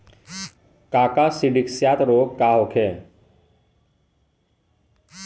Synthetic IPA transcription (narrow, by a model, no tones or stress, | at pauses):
kaːkasiɖiksjaːt̪ɾoːkkːaːɦokʰeː